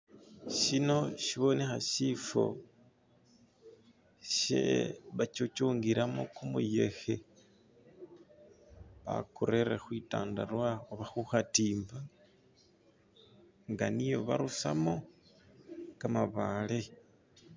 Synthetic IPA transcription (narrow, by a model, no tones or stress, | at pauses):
ʃino̞ʃiβo̞nexaʃifo̞̰ | ʃḛβat͡ʃot͡ʃuːŋɡiɾamokumṵje̞̰xe | βa̰koɾeɾexwita̰ːndarwaoβaxuxatiːmba | ŋɡanijo̞βa̰ɾusa̰mo̞ | kamaβale